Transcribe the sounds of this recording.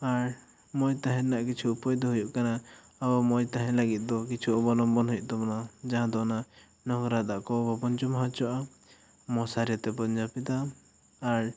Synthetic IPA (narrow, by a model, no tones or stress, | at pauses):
aɾ | mɔjt̪aɦɛ̃naʔkit͡ʃʰuupɔjd̪ɔɦujuʔkanaaɔmɔjt̪aɦɛ̃laɡit̪̚ˀd̪ɔkit͡ʃʰuʔɔbɔlɔmbɔnɦujuʔt̪ɔbɔnad͡ʒaɦãd̪ɔna | nɔɡɾad̪aʔkɔbabɔnt͡ʃɔmaɦãt͡ʃɔʔa | mɔsaɾijat̪ɛbɔnd͡ʒapit̪aː | ɾ